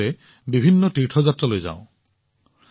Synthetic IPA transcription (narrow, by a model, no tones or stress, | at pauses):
ɛ | bibʱinːɔtiɹʈʰɔzatɹalojza̰ʊ̃